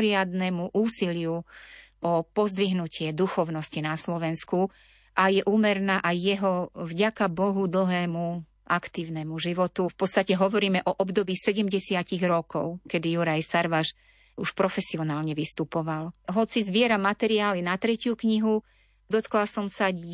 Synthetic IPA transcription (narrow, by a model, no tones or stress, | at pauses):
ɾɪad̪nɛmuʔuːsilɪu | ʔɔpɔzd̪ʋiɦnucɪɛd̪uxɔʊnɔscinaslɔʋɛnsku | ʔajɛʔuːmɛɾnaːʔajːɛɦɔvɟakabɔɦud̪l̩ɦɛːmu | ʔakt̪iːʊnɛmuʒiʋɔt̪ufpɔt̪t͡st̪acɛɦɔʋɔɾiːmɛʔɔʔɔbd̪ɔbiːsɛɟɛmɟɛsɪaciɣɾɔkɔ̰ʊkɛd̪ijuɾajsaɾʋaʃ | uʃpɾɔfɛsiɔnaːlɲɛʋist̪upɔʋalɦɔt͡sizʋɪɛɾamat̪ɛɾiaːlinat̪ɾɛcɪjukɲiɦu | d̪ɔt̪klasɔmsa